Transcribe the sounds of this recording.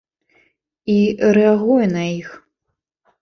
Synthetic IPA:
iɾɛaɣujɛnɐix

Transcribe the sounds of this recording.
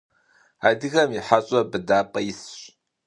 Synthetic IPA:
adɨɣɐmiħaɕʼɐbɨdaːpʼɐjɪsɕʼ

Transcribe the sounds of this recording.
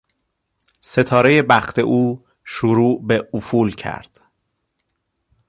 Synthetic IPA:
se̞t̪ʰɒːɾe̞je̞bæxt̪ʰe̞ʔuː | ʃuɾuːʔbeufuːlcʰæ̰ɾd̪̥

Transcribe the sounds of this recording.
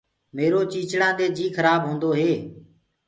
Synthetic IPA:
meːɾoːt͡ʃiːt͡ʃɽãːɗ̪eːd͡ʒiːkʰəɾaːbɦõːnd̪oːɦeː

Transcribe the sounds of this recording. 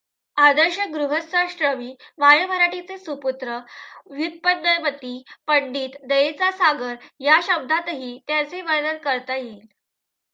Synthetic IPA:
ad̪əɾɕəɡɾuɦəsaɕɾəʋiːʋajəbʱəɾaʈit͡sesuput̪ɾəʋjut̪̚pənːəjmət̪iːpəɳɖiːt̪d̪əjet͡sasaɡəɾjaɕəb̚d̪ʱat̪ɦiːt̪jat͡seʋəɾnənkəɾt̪ajel

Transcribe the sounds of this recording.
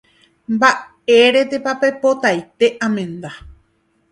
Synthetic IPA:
mba | e̞ɾe̞t̪epape̞po̞t̪ajt̪e̞ʔãmẽ̞nd̪a

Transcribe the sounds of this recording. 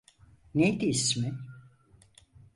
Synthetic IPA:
nejd̪iːsmɪ

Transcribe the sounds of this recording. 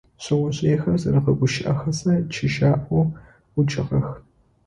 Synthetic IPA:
ɕɪwʷɔɕʼeːxɐrzɐrɨqɐɡʷʊʃɪʔɐxɐsɐt͡ʃʰɪʃaːʔo | ʊt͡ʃʼɪʁɐx

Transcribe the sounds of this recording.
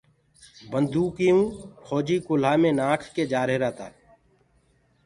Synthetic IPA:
bə̃nd̪uːkiũːpʰɔːd͡ʒikʊl̤aːmẽnãːʈʰked͡ʒaːɾɦeɾaːt̪a̰ː

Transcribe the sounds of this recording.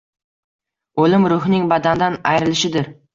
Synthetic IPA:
ɵlɪmɾʊɦɪnɪŋbɑd̪and̪anɑjɾɪlɪʃɪd̪ɪɾ

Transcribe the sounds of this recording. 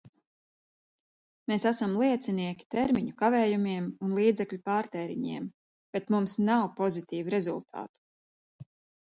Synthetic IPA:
mesæsamlˠiɛt̪siniɛkʲi̥t̪eɾmiɲukaveːjumiɛmunlˠiːd̪zɛkʎʲupaːɾt̪ɛːɾḭɲḭɛm | b̥et̪mumsnawpɔzit̪iːvuɾe̞zulˠt̪ʰa̰ːt̪u̥

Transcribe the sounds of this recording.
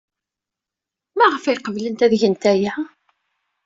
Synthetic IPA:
mæʁəfijqəvlənt̪æðʝənt̪æjæ

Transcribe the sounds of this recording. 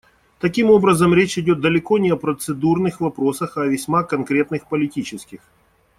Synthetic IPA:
t̪ɐkʲimo̞bɾəzəmɾʲet͡ɕɪdʲo̞t̪̚d̪əlʲɪko̞nʲɪɐpɾət̪sɨd̪urnɨxvɐpɾo̞səxɐvʲɪsʲmakɐnkɾʲe̞t̪nɨxpəlʲɪtʲit͡ɕɪskʲɪx

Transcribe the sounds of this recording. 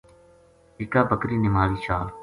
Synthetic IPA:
ɪkaːbəkɾiːnɪmaːliːt͡ʃaːl

